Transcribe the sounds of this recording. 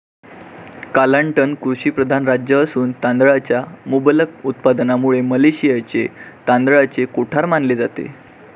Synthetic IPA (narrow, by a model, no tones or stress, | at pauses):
kaləɳʈənkɾuɕiːpɾəd̪ʱanɾad͡ʑjəːsuːnt̪and̪ɭat͡ɕjamubələkut̪̚pad̪namuɭeməleɕijat͡set̪ãnd̪ɭat͡sekoʈʰaɾmanled͡zat̪ḛ